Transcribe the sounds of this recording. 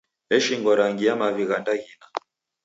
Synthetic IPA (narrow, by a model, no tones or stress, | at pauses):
ɛʃiŋɡɔɾaŋɡijamaviɣandaɣina